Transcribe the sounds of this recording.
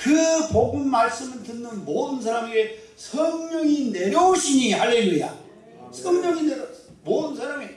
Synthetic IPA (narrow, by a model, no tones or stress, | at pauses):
kɯpoɡummaɭs͈ɯmɯɭtɯnːɯnmodɯnsʰaɾamiɡe | sʰʌŋɲʌŋine̞ɾjooɕʰiɲihaɭːe̞luja̰ | sʰʌŋɲʌŋine | modɯnsʰaɾame